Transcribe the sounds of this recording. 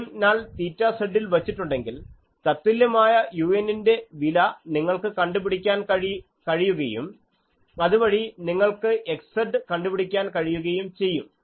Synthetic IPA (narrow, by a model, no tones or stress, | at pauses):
naːɭt̪iːtːaːseɖːilʋɐt͡ɕːiʈːuɳɖe̞ŋɡil | t̪ɐt̪ːiljɐmaːjɐjuːenːinde̞ʋilɐniŋːɐɭkɨkɐɳɖupiɽikʲːaːnkɐ | kɐɻijuɣɐjṵm | ɐðuʋɐɻiniŋːɐɭkɨʔe̞kseɖɨkɐɳɖupiɽikʲːaːnkɐɻijuɣɐjumt͡ɕe̞jːum